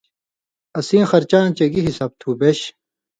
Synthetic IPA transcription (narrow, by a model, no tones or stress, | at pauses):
ɐsĩːxɐɾt͡ɕaːnt͡ɕɐɡiɦisaːb̚t̪ʰubeɕ